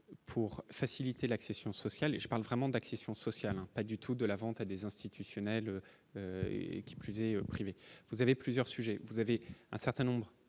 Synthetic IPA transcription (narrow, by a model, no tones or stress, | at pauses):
pʰuʁfasilit̪elaksesjɔ̃sɔsjalʒəpaʁlvʁɛmɑ̃d̪aksesjɔ̃sɔsjalɛ̃pad̪yt̪ʰud̪əlavɑ̃t̪ad̪ezɛ̃st̪it̪ʰysjɔnɛlø | økʲi̥plyzɛøpχivevuzaveplyzjœʁsyʒɛvuzaveɛ̃sɛʁt̪ɛ̃nɔ̃bʁ